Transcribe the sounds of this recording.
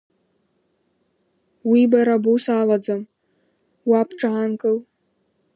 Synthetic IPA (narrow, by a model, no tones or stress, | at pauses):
wibaɾabusalad͡zam | wapʰʈ͡ʂʼaankʼɨl